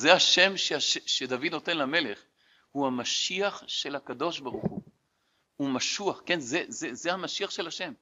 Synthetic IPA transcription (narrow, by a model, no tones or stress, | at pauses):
zeaʃe̞mʃeaʃeʃed̪avid̪no̞t̪e̞nlame̞le̞χ | huhamaʃiaχʃe̞lakad̪o̞ʃbaʁuχu | umaʃuaχke̞nzezezehamaʃiaχʃe̞laʃe̞m